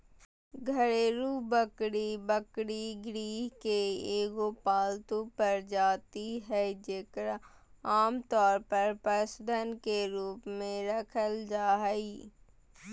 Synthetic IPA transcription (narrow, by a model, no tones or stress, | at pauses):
ɡʱəɽeɾubəkɽibəkɽiɡɾiːɦkeeːɡopaːlt̪ũpəɾd͡ʒaːt̪iɦɛːd͡ʒeːkəɾ | aːmt̪ɔːɾpəɾpɾəsd̪ʱənkeɾuːpmẽɾəkʰəld͡ʒaːɦiː